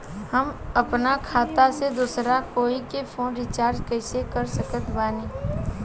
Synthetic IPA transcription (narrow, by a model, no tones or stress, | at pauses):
həmɐpnakʰaːt̪ased̪uːsɾakoːikepʰoːnɾɪt͡ʃaːɾd͡ʒkɛɪsekəɾsəkət̪ʰbaːniː